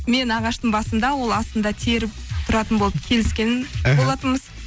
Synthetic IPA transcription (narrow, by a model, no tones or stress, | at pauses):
me̞nɑʁɑʃt̪əɴbɑsəmd̪ɑwo̞lˠɑst̪ənd̪ɑt̪ʰeɾɪpt̪ʰʊɾɑt̪ənbo̞lˠəpkʲʰe̞lɪskʲe̞nɪnbo̞lˠɑt̪əməz̥